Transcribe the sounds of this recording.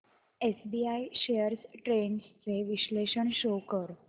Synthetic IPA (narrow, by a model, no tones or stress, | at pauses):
esbiaiɕejəɾsʈɾenst͡seʋiɕleɕəɳɕokəɾ